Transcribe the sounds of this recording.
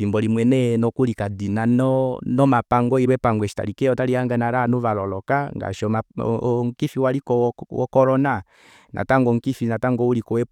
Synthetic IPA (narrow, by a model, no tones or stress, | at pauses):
fimbɔlimwɛnɛnɔkulikadinanɔnɔmapaŋɡɔiɾwɛpaŋɡwɛʃi̥ta̰ɾikɛɔtaɾiaŋɡanaɾanuvalɔlɔkaŋɡa̰ʃɔma̰ŋkifiwaɾikɔwɔ̰kɔɾɔna | nʔa̰taŋɡɔŋ̩kifinataŋɡɔulikɔwɛ